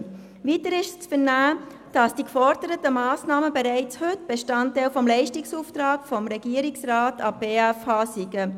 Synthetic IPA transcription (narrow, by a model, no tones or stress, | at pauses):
vitəɾɪʃst͡sfəɾnæː | d̥ɑsd̥ikfɔɾd̥əɾətəmɑːsnɑːməbeɾɛɪt͡shɵtb̥eʃtɑntːæɪlfɔmlɛɪʃtɪksuːft̪ɾɑːɡfɔmɾɛɡ̥iːəɾɪksrɑːtʰɑb̥eːæfhɑːsiɡə